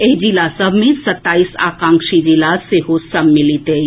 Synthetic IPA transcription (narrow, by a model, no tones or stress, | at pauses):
ed͡ʒilasəbʱmẽsɐt̪ːaːisa̰ːkãːŋkʃid͡ʒilaseɦosɐbmilit̪e